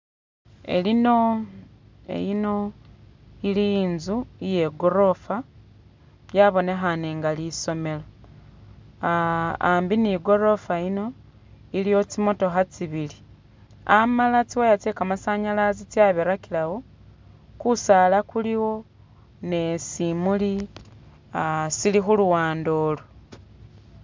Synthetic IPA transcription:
ḛlino | ḛjino̞ | ilinzuije̞ɡo̞ɾo̞fa | jaβo̞ne̞xaneːŋɡaliso̞me̞lo | ambiniɡo̞ɾo̞faino̞ | ilijo̞t͡simo̞to̞xat͡siβili | amalat͡siwajat͡sekamasaɲalazit͡sjaβeɾakilawo̞ | kusalakuliwo̞ | ne̞simuli | asilixuluwaːndo̞ːlo

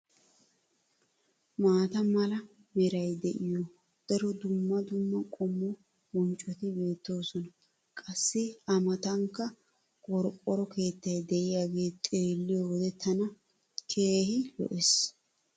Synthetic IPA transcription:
maːt̪ɐmɐlɐ | mɛɾɐjd̪ɛʔɪjɔ | d̪̥ɐɾɔd̪ʊmːɐd̪ʊmːɐkʼɔmːɔ | wɔnt͡ʃʼːɔt̪ɪbe̞ːt̪ːo̞ːsɔnɐ | kʼɐsːɪɐmɐt̪ɐŋkːɐ | kʼɔɾkʼːɔɾɔke̞ːt̪ːɐjd̪ɛʔɪjaɡe̞ːt̪ʼeːlːɪjɔwɔd̪ɛt̪ʰːɐnɐ | kʰe̞ːhɪlɔ̰ʔɛs

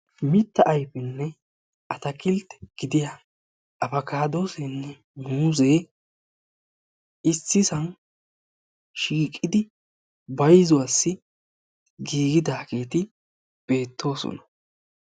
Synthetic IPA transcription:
mɪt̪ːɐʔɐjpɛnːɛ | ʔɐt̪ɐkɪlt̪ːɛ̥ɡ̥ɪd̪ɪja | ʔɐfɐkaːd̪o̞ːsɛnːɛ | muːzeː | ɪsːɪsɐn | ʃiːkʼːɪd̪ɪ | bɐjzʊwasːɪ | ɡiːɡɪd̪aːkeːt̪ɪ | b̥e̞ːt̪ːo̞ːsɔ̰nɐ̥

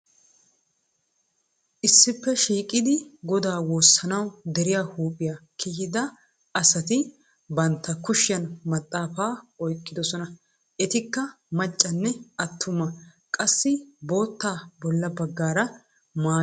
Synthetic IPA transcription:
ʔɪsːɪpːɛʃiːkʼɪd̪ɪɡɔd̪aːwoːsːɐnɐwd̪ɛɾɪjaːhuːpʼɪjakʰɪhɪd̪ɐ | ʔɐsɐt̪ɪ | bɐnt̪ːɐkʊʃɪjɐnmɐt̪ʼːaːfaːɔjkʼːɪd̪ɔsɔnɐ | ʔɛt̪ɪkːɐ | mɐt͡ʃʼːɐnːɛɐt̪ʰːʊmɐ | kʼɐsːɪbo̞ːt̪ːaːbɔlːɐbɐɡːaːɾɐ | maː

